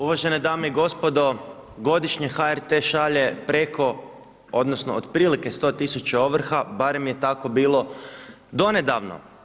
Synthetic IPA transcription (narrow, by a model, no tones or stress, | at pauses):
uʋaʒened̪aːmeiɡo̞spo̞d̪o̞ | ɡo̞d̪iʃɲexaeɾt̪e̞ʃaʎe̞pɾekʰo̞ | od̪nosnood̪pɾiːlike̞st̪o̞ːt̪isut͡ɕeoʋr̩xabaɾe̞mje̞t̪ako̞biːlˠo̞ | d̪o̞ne̞d̪aʋno̰